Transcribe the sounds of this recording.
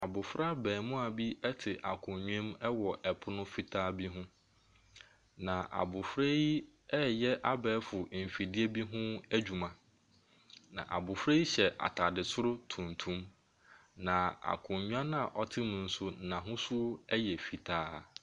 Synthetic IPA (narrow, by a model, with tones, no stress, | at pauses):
a˨bʊ˨fɾa˦bɛː˨mʊ̃˦a˨bi˦ɛ˦tʰɪ˨ʔa˨kʰʊ̃˨ɲᶣ˦ɛ̃˦mɛ˦wɔ˨ʔɛ˨pʰʊ˦nʊ̃˦fi˦tʰaː˦bi˦ɦʊ̃˦ | nã˨ʔa̰˨bʊ˨fɾe˦i˦ | ɛ˦jɛ˦ʔa˦bɛː˨˦fʊ˨m̩˨fi˨dɪ˦e˦bi˦ɦʊ̃˦æ˦d͡ʑᶣu˨mã˨ | nã̰˨ʔa̰˨bʊ˨fɾe˦i˦ɕɛ˨ʔa̰˨tʰa˨dɪ˨sʊ˦ɾʊ˦tʰũ˨ntʰũ˦m | nã˨a̰˨kʰʊ̃˨ɲɲᶣ˦ã˦nã˨ʔɔ˨tʰɪ˦mʊ̃˨n̩˨sʊ˦nã˨ɦʊ̃˦sʊ˦ɛ˦jɛ˨fi˨tʰaː˦